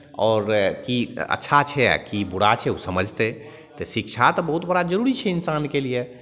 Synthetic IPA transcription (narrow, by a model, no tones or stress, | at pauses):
ɔːɾkiə̰tːʃʰat͡ʃʰɛa̰kibuɽat͡ʃʰɛusəməd͡ʒʱt̪e | t̪ɔsikt͡ʃʰat̪ɔbəɦut̪bəɽad͡ʒəɾuɾit͡ʃʰɛinsankelije